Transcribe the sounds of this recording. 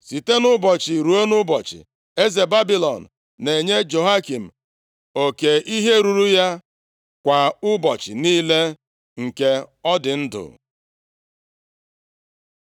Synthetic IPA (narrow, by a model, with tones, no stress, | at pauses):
si˨te˦nʊ˦bɔ˨t͡ʃi˨ɾu˨e˦nʊ˦bɔ˨t͡ʃɪ̰˨ | e˦ze˨ba˦bi˦lɔ̰˨n̩˨ | ne˨ɲe˦d͡ʒo˨ɦa˦ki˨m̩˨ | o˨ke˨ʔi˦ɦe˦ɾu˨ɾu˦ja˦ | kʷa˨ʊ˦bɔ˨t͡ʃɪ̰˨niː˦le˦ | ŋ̩˨ke˦ɔ˦dɪ˨n̩˦dʊ̰˨